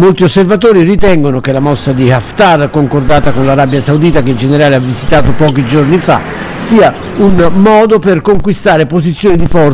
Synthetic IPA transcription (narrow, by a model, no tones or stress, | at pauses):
molt̪iosːervat̪̬oːɾirit̪ɛŋɡonokelamɔsːad̪iaft̪arkoŋkord̪aːt̪akonlaɾabjasaud̪iːt̪akeind͡ʒeneɾaːleavːizit̪aːt̪opɔːkid͡ʒornifa̰ | siːa | unmɔːd̪operkoŋkwist̪aːɾepozit̪sːjoːnid̪ifɔr